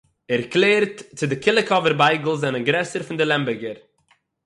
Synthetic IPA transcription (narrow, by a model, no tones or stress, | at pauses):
ɛɾklˠeːɾtt͡sɪdɪkʰɪlˠɪkɔvəɾbaɪɡl̩ˠzɛnəɡɾɛsəɾfɪndɪlˠɛmbɪɡəɾ